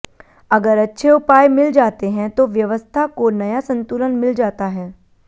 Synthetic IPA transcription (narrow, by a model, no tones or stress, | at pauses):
ɐɡəɾɐtːʃʰeʊpaːjmɪld͡ʒaːt̪eɦɛ̃t̪oʋjɐʋəst̪ʰakonɐjasɐ̃nt̪uːlənmɪld͡ʒaːt̪aɦɛː